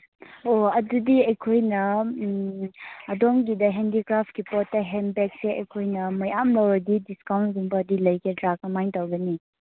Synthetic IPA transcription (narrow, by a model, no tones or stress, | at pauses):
oɐdudiɐjkʰojnɐ | dɔŋɡidɐɦendikɾap̚ʰkipɔtːɐɦenbek̚seʔɐ̰jkʰojnɐmojamlawɾɐdidiskawntdiŋbɐːdilɐjkedɾak̚ɐmajntawɡɐni